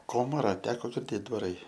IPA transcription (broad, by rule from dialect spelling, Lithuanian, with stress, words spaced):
ˈkoːmɐrɐ ˈtʲæːkoː ɡʲɪrʲˈdʲeːt dʋɐˈrɐɪ